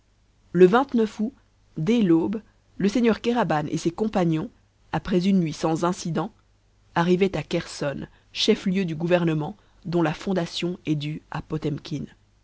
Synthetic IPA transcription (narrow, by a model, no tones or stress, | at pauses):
ləvɛ̃t̪nœfu | d̪elob | ləseɲœʁkeʁabanʔḛsekɔ̃paɲjɔ̃ | apχɛzynːɥisɑ̃zɛ̃sid̪ɑ̃ | aʁivɛt̪akʲɛʁsɔn | ʃɛfljød̪yɡuvɛʁnəmɑ̃ | d̪ɔ̃lafɔ̃d̪asjɔ̃ɛd̪ya̰pɔt̪ɛmkʲin